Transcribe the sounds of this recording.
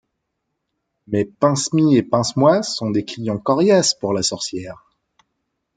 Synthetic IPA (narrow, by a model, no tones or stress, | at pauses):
mɛpɛ̃smiepɛ̃smwasɔ̃d̪eklijɑ̃kɔʁjaspuʁlasɔʁsjɛːʁ